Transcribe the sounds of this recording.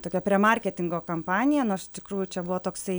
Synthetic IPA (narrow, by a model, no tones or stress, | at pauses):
t̪oːkʲɛpʲɾʲiɛmɐrʲkʲɛt̪ʲɪŋɡoːkɐmpɑːnʲɪjɛnʊɐʃɪ̥ʃt̪ʲɪkɾuːjʊt͡ʃʲɛbʊʋoːt̪oːksɐɪ